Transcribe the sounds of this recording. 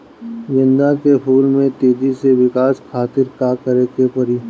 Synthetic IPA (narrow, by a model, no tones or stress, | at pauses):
d͡ʒɪ̃nd̪akepʰuːlmẽt̪eːd̪iseʋɪkaːskʰaːt̪ɪɾkakəɾekepɐɾiː